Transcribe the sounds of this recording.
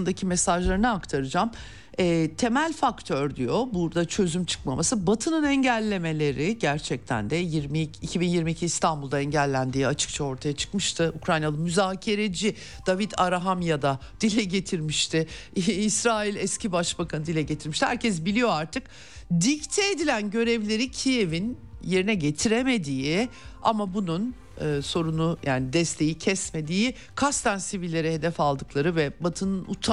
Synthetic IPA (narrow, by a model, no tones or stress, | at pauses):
nd̪acʰimesaʒlˠaɾɯnɯakt̪ʰaɾɯd͡ʒam | ɛːt̪ʰe̞mælʲfakt̪ʰøɾd̪ijo̞buɾd̪at͡ʃʰø̞zymt͡ʃʰɯ̥kma̰masɯbat̪ʰɯnɯnɛɲɟælʲːe̞me̞lʲe̞ɾɪɟæɾt͡ʃʰɛc̚t̪ʰæ̰nd̪ɛjiɾmiicʰibinjiɾmiːcʰiːst̪ʰanbulˠd̪aɛɲɟælʲːænd̪iːat͡ʃʰɯ̥k̚t͡ʃʰao̞ɾt̪ʰajat͡ʃʰɯ̥kmɯʃt̪ʰɯʔukɾajnalˠɯmyzaːcʰe̞ɾe̞d͡ʒi | d̪̥avit̪ʰaɾaɦamjad̪ad̪̥ilʲɛɟe̞t̪ʰiɾmiʃt̪ʰɪːsɾaːilʲɛscibaʃbakʰanɯd̪ilʲɛɟet̪ʰiɾmiʃt̪ihæɾcʰɛsbilʲijo̞aɾt̪ʰɯk | d̪ict̪ʰɛed̪ilʲænɟø̞ɾɛvlʲe̞ɾicʰije̞vinje̞ɾinɛɟe̞t̪ʰiɾeme̞d̪iːɪa̰mabunun | ɯːso̞ɾunujʔaːnid̪ɛst̪ʰe̞jicʰɛsme̞d̪iːi | kʰast̪ʰansivilʲːe̞ɾɛɦe̞d̪ɛfalˠd̪ɯklˠaɾɯvɛbat̪ʰɯnɯnut̪ʰ